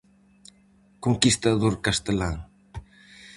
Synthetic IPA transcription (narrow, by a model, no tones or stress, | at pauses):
koŋkist̪aðoɾkast̪elaŋ